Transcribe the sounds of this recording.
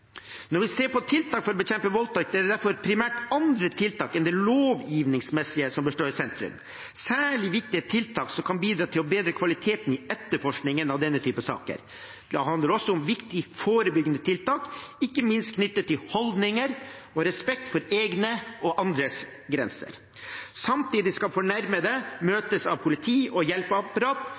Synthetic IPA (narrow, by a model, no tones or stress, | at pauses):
nɔɾʋɪseːɾpɔt̪ʰɪlt̪ʰɑːkfɔɾɔbəçɛmpəʋɔlt̪ʰɑk̚d̪ɛæɖɛd̪æɾfɔɾpʰɾɪmæːʈɑnd̪ɾət̪ʰɪlt̪ʰɑːkɛnd̪ɛloːʋjiːʋnɪŋsmɛsɪəsɔmbəsʂʈoːɾɪsɛnt̪ɾʉ̰m | sæːɭɪʋɪk̚t̪ɪət̪ʰɪlt̪ʰɑːksɔmkʰɑnbiːd̪ɾɑːt̪ʰɪlɔbeːd̪ɾəkʰʋɑlɪt̪ʰeːt̪nɪɛt̪ːəɾfɔʂknɪŋənɑʋd̪ɛnːət̪ʰyːpəsɑ̰ːkə̰ɾ | d̪̥ɛhɑnd̪əɾɔsːɔʊmʋɪkt̪ɪfoːɾəbʏɡənət̪ʰɪlt̪ɑːkɪkːəmɪnst̪̚kʰnʏt̪ːət̪ːɪlhɔld̪nɪŋəɾɔɾɛspɛk̚t̪fɔɾeːɡnəɔʔɑnd̪ɾəs | ɡɾɛnsə̰ɾ | sɑmt̪ʰiːd̪ɪskɑfɔɳæɾməd̪ɛmøːt̪əsɑʋpʰʊlɪt̪ʰiːʔɔjɛlpəɑpəɾɑːt̪